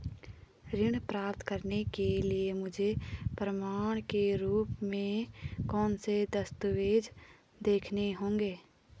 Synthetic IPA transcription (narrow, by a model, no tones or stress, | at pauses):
ɾɪɽpɾaːpt̪kəɾnekeliemʊd͡ʒʱepɾəmaːɽ̃keɾuːpmẽkɔːnsed̪əst̪ʊʋeːd͡ʒ | d̪eːkʰneɦõːŋɡeː